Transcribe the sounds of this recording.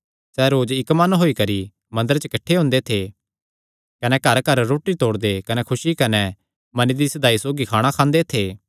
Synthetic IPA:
sɛɾoːd͡ʒɪkmɐnɦoːikɐɾi | mɐ̃nd̪əɾt͡ʃəkɐʈʰːeɦʊ̃nd̪et̪ʰe | kɐnɛkɐɾkɐɾːoːʈit̪oːɽd̪ekɐnɛkʰʊʃikɐnɛ | mɐnid̪isɐd̪aːisoːɡikʰaːɽ̃akʰãːnd̪et̪ʰeː

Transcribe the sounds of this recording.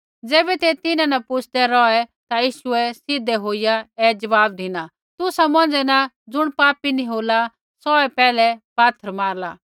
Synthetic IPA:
d͡zeːbɛt̪et̪ɪnãnɐpʊt͡ʃʰd̪ɛɾɔɛt̪ajiːʃʊɛsɪd̪ʱːɛɦoːɪjaɛːd͡ʒɐʋaːb̚d̪ʱɪna | t̪ʊsamɔ̃nd͡ʒd͡zɛna | d͡zʊɽ̃paːpiniɦoːla | sɔɛpɛːlɛpaːt̪ʰːəɾmaːɾlaː

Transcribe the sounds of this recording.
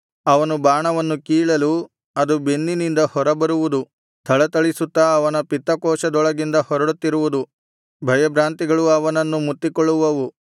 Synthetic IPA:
ɐʋɐnubaːɳɐʋɐnːukiːɭɐlu | ɐd̪ubenːinind̪ɐhɔɾɐbɐɾuʋud̪u | t̪ʰɐɭɐt̪ɐɭisut̪ːɐːʋɐnɐpit̪ːɐkɔːʃɐd̪ɔɭɐɡind̪ɐhɔɾɐɽut̪ːiɾuʋud̪u | bʱɐjɐbɾaːnt̪iɡɐɭuɐʋɐnɐnːumut̪ːikɔɭːuʋɐʋu

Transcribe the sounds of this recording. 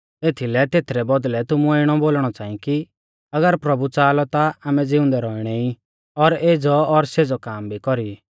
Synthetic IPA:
eːt̪ʰilɛt̪eːt̪ʰɾɛbɔd̪lɛt̪ʊmuaɪɽ̃ɔboːlɽ̃ɔt͡saːĩki | ɐɡəɾpɾɐbut͡saːlɔt̪aaːmɛd͡zɪʊ̃nd̪ɛɾɔɪɽ̃ɛĩ | ɔɾeːd͡zɔɔɾseːd͡zɔkaːmbʱikɔɾi

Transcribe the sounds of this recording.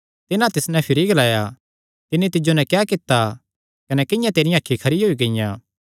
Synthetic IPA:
t̪ɪnãt̪ɪsnɛ̃pʰɪɾiɡɐlaːja | t̪ɪnːit̪ɪd͡ʒonɛ̃kɛːkɪt̪ːa | kɐnɛkɪjãt̪eːɾijãaːkʰːikʰɐɾiɦoːiɡɐɪjã̰ː

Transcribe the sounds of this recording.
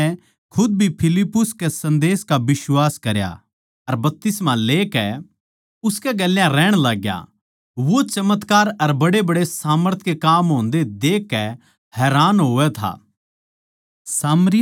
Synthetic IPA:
ɛ | kʰʊd̪̚bʱipʰɪlɪpːʊskesɐ̃nd̪eːskaʋɪswaːskɐɾja̰ | ɐɾbɐp̚t̪ɪsmaleːkɛ | ʊskɛɡɐlːjãɾɛːɽ̃laːɡja̰ | ʋot͡ʃɐmət̪kaːɾɐɾbɐɽebɐɽesaːməɾt̪ʰkekaːmɦõːnd̪ed̪eːkːɛ | hɛːɾaːnɦoːɛt̪ʰa̰ː | saːmɾɪ

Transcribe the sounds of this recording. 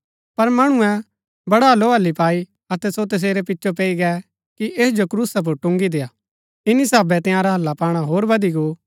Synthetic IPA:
pɐɾmɐɽ̃ʊ̃ɛ̃ | bɐɽaloːɦɐlːipaːi | ɐt̪ɛsot̪ɐs̬eːɾɛpɪtːʃʰop̬ɛːiɡɛ | kiʔeːsd͡ʒokɾuːsap̬ʊɾʈʊ̃ŋɡid̪eːaː | ɪnisaːbɛt̪ɪ̃jãːɾaɦɐlːapaːɽ̃aɦoːɾbɐd̪iɡoː

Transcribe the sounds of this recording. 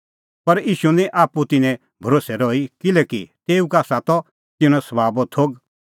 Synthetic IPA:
pɐɾiːʃunĩʔaːput̪ɪnɛ̃ | bʱɐɾoːsɛɾɔːikɪlɛkit̪eːukaːsat̪ɔ | t̪ɪɽ̃ɔ̃sɐbaːbɔt̪ʰoːɡ

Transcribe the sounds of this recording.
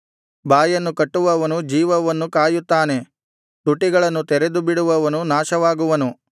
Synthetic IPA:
baːjɐnːukɐʈːuʋɐʋɐnud͡ʒiːʋɐʋɐnːukaːjut̪ːaːne̞ | t̪uʈːiɡɐɭɐnːut̪ɛɾed̪ubiɽuʋɐʋɐnunaːʃɐʋaːɡuʋɐnu

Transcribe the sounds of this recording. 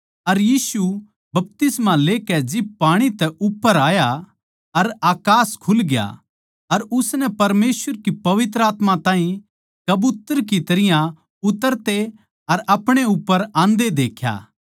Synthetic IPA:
ɐɾjiːsu | bɐp̚t̪ɪsmãleːkɛd͡ʒɪb̚paːɽ̃it̪ɛʔʊpːəɾaːja | ɐɾaːkaːskʰʊlɡɪja̰ | ɐɾʊsnɛpɐɾmeːsʋəɾkipɐʋɪt̪ɾəaːt̪mãt̪ãːɦĩ | kɐbʊt̪əɾk̬it̪ɐɾɪjã | ʊt̪əɾt̪e | ɐɾɐpɽ̃eʊpːəɾãːnd̪ed̪eːkʰja̰ː

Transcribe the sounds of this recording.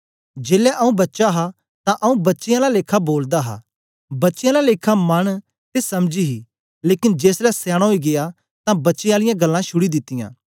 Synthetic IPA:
d͡ʒeːlɛʔɐũbɐtːʃaɦa | t̪ãʔɐũbɐtːʃɪjãlaleːkʰaboːld̪aɦa̰ː | bɐtːʃɪjãlaleːkʰamɐn | t̪esɐmd͡ʒiɦi | leːkɪnd͡ʒeːslɛsɛːɽ̃aɦoiɡɪja | t̪ãbɐtːʃɪjãːlɪjãɡɐlːãʃʊɽid̪ɪt̪ːɪjã̰ː

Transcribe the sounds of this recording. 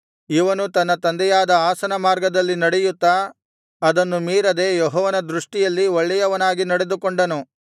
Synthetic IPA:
iʋɐnut̪ɐnːɐt̪ɐnd̪ɛjaːd̪ɐaːsɐnɐmaːɾɡɐd̪ɐlːinɐɽɛjut̪ːɐː | d̪ɐnːumiːɾɐd̪e̞ːjɔɦɔːʋɐnɐd̪ɾuʂʈijɐlːioɭːɛjɐʋɐnaːɡinɐɽe̞d̪ukoɳɖɐnu

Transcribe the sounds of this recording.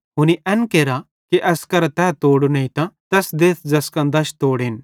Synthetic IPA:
ɦʊniʔɛnkeːɾa | kiʔɐskɐɾɛt̪ɛːt̪oːɽonɐĩt̪ãt̪ɛːsd̪eːt̪ʰd͡zɐskãd̪ɐʃt̪oːɽen

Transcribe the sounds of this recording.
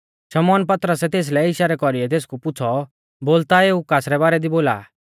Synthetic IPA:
ʃɐmɔːnpɐt̪ɾəsɛt̪eːs̬lɛɪʃaɾɛkɔɾiɛt̪eːskupʊt͡sʰɔ | boːlt̪aeːʊkaːsɾɛbaːɾɛd̪iboːla̰ː

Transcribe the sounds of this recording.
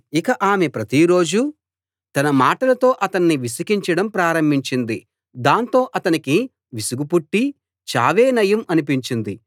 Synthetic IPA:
ikɐʔaːmepɾɐt̪iɾo̞ːd͡ʒu | t̪ɐnɐmaːʈɐlɐt̪o̞ːʔɐt̪ɐnːiʋisɐkiɲt͡ʃɐɽɐmpɾaːɾɐmbʱiɲt͡ʃind̪i | d̪aːnt̪o̞ːʔɐt̪ɐniki | ʋisuɡupuʈːi | t͡ʃa̰ːʋeːnɐjɐmɐnipiɲt͡ʃind̪i

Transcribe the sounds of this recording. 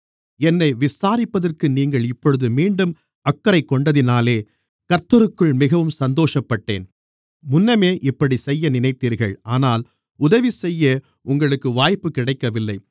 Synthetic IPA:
ɛnːɐɪʋɪsaːɾɪpːɐðɐrkɯniːŋɡɐɭɪpːɔɻɯðɯmiːɳɖɯm | ɐkːɐɾɐɪkːɔɳɖɐðɪnaːleː | kɐɾt̪ːɐɾɯkːɯɭmɪɣɐʋɯmsɐnd̪oːʂɐpːɐʈːḛːn | mʊnːɐmeːʔɪpːɐɽisɛjːɐnɪnɐɪt̪ːiːɾɣɐ̰ɭʔaːnaːl | ʊðɐʋisɛjːɐ | ʊŋɡɐɭɯkːɯʋaːjpːɯkɪɽɐɪkːɐʋɪlːɐɪ

